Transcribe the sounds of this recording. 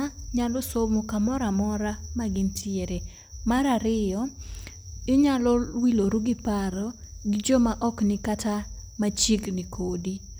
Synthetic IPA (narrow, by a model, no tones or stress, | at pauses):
ɲalɔsomokamɔɾamɔɾamaɡɪntʰɪeɾe | maɾaɾɪjɔ | ɪɲalɔwiloɾuɡɪpaɾɔɡɪd͡ʒomaʔɔknɪkatamat͡ʃiknikʰodi